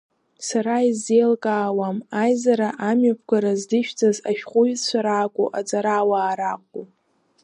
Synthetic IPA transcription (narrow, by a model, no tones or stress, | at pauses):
saɾaizːejlkʼaːwamajzaɾaʔamɥapʰɡʷaɾazdɨʃᶣd͡zʼazaʃᶣqʷʼʊjt͡ɕʷʰaɾaːkʷʼuʔad͡zʼaɾaːwaːɾaqʷʼu